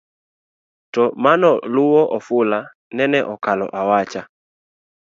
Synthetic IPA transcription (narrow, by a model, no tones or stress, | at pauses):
tɔmanɔluwɔʔɔfula | nɛnɛʔɔkalɔ̰ʔawat͡ʃa